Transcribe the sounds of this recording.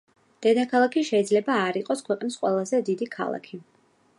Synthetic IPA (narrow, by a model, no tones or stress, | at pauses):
d̪̥ɛd̪akʰalˠakʰiʃɛid̪zlɛbaːɾiqʼɔskʰwɛqʼnisqʼwɛ̰lˠazɛd̪id̪ikʰa̰lˠa̰kʰi